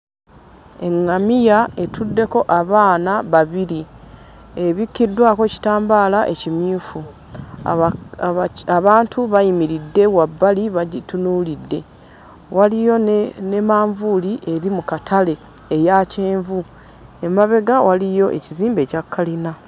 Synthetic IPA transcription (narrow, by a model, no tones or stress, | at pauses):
e̞ŋːamijae̞tʰudːe̞ko̞ʔaβaːnaβaβiɾi | eβikːidːwaːkoci̥taːmbaːlaʔe̞cimjuːfu | aβaːntʰuβajimiɾidːe̞wabːaliβaɟitunuːlidːe̞ | walijo̞ne̞maːɱvuliʔe̞ɾimukatʰale̞ː | jace̞ːɱvu | e̞maβe̞ɡawalijo̞ʔe̞̰ciziːmbe̞ːcakʰːalina